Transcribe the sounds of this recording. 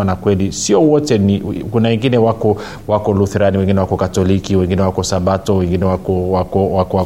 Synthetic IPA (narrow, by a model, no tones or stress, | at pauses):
anakwɛlisiɔwɔtɛnikunawɛŋɡinɛwakɔ | wakɔluθɾaniwɛŋɡinɛwakɔkatɔlikiwɛŋɡinɛwakɔsaɓatɔwɛŋɡinɛwakɔwakɔwakɔa